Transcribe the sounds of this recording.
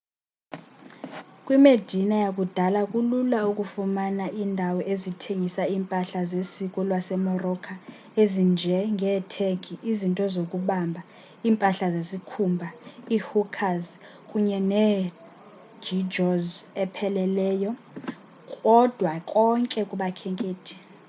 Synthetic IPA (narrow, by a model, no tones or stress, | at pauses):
kʼwimed̥ʱinajak̬ʼud̥ʱalakʼululauk̬ʼufumanaʔiːndʱawɔʔezitʰeŋisaiːmpʼaɬazesikʼɔlwasɛmɔrɔkʰa | ezind͡ʒʱɛŋʱɛtʰeɡʰʱiʔizintʼɔzok̬ʼuɓambʱa | iːmpʼaɬazesikʰumbʱaihukʰaz | kʼuɲɛnɛ | d͡ʒid͡ʒɔzɛpʰɛlɛlɛːjɔ | kʼɔd̥ʱwakʼɔŋkʼɛkʼuɓakʰɛŋkʼeːtʰi̥